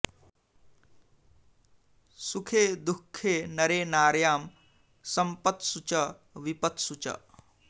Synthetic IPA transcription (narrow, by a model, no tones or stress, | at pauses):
sukʰeːd̪ukʰːeːnɐɾeːnaːɾjaːm | sɐmpɐt̪sut͡ʃɐ | ʋipɐt̪sut͡ʃɐ̰